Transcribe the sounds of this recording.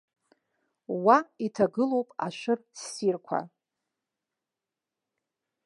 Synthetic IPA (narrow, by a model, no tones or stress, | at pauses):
waitʰaɡɨlo̞wpʼa̰ʃʷɨrsːirkʷʰa̰